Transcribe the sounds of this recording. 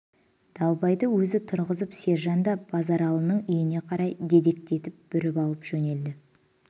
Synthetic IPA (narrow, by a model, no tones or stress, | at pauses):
d̪̥ɑlˠbɑjd̪əwɵzɪt̪ʰʊɾʁəzəpse̞ɾʒɑnd̪ɑb̥ɑzɑɾɑlˠənəɴijɪne̞qʰɑɾɑjd̪e̞d̪e̞k̚t̪e̞t̪ɪp̚b̥ʏɾɪpɑlˠəpʒ̥ɵne̞ld̪ɪ